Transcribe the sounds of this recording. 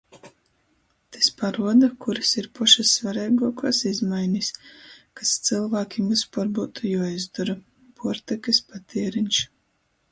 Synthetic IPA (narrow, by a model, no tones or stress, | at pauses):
t̪ispaɾuɔd̪akuɾisiɾpɔʃasːvaɾɛːɡuɔkɔːsizmajnʲisʲkast̪sɨlˠvaːkʲimispɔɾbuːt̪ujuɔizd̪ɔɾa | buɔɾt̪ɛkɨspat̪iɛɾinʲt͡ʃ